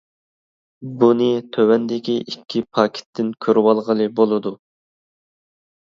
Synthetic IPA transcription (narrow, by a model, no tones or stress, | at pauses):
bunɨt̪ʰøwɛnd̪ɪkʲiʔikʲʰːipʰɑːkʲʰɪ̥t̪ʰːɪnkʲʰøɾwɑlˠʁəlˠɨbolˠɨd̪u